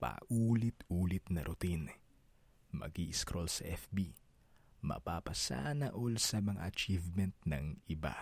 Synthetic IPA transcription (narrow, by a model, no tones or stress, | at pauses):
pa̰ʔuːlɪt̪ʔuːlɪt̪nɐɾʔʊt̪in | mɐ̰ɡiʔɪskɾʔolsɐʔɛfbi | mɐ̰paːpɐsa̰ːnɐʔolsɐmɐŋa̰ʔɐt͡ʃivmɛnt̪̚nɐ̰ŋʔɪba̰